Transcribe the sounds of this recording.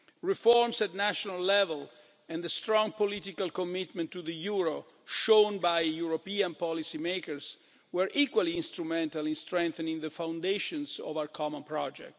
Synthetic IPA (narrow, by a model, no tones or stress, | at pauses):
ɹifɔɹmsætnæʃɔnalːɛvɛl | ɛ̃nd̪əst̪ɾɔ̃ŋpɔlit̪ikalkɔmit̪mɛ̃ntːuðəjuɹo | ʃõnbajjuɹopiãnpɔlisimekəɹs | wəɹʔikwaliĩnst̪ɾumɛ̃ntalĩnst̪ɹɛ̃ŋkθənĩŋðəfãw̃ndeʃɔ̃nsɔ̰vawəɹkʰɔmɔ̃npɹɔd͡ʒɛ̰k̚t